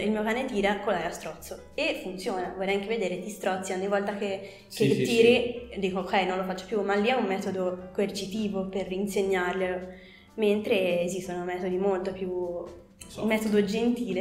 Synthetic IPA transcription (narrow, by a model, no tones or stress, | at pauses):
ilmiːokaːnet̪iːɾakolaɾast̪ɾɔt̪sːo | efunt̪sjoːnavɔlrɛjaŋk̟eved̪eːɾet̪ist̪ɾɔt̪sːioɲːivɔlt̪ake | ket̪ːiːɾid̪iːkoːkɛjnõnlofat͡ʃːopjumalːiɛumːɛːt̪od̪okoert͡ʃit̪iːvoperːinseɲːarʎelo | ment̪ɾeːzist̪onomɛːt̪od̪imolt̪opju | mɛːt̪od̪od͡ʒent̪iːle